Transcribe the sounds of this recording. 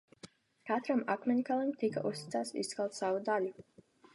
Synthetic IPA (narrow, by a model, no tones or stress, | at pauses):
kat̪ɾamakmʲɛnʲkalˠimt̪ika̰ʔust̪i̥t̪saːt̪sḭskalˠt̪savud̪alʲu